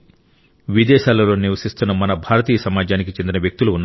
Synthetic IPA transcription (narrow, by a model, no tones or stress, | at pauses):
ʋid̪ɛːʃaːlɐlo̞ːniʋɐsist̪unːɐmɐnɐbʱaːɾɐt̪iːjɐsɐmaːd͡ʒaːnik̬it͡ʃe̞nd̪inɐʋjɐk̚t̪uluunː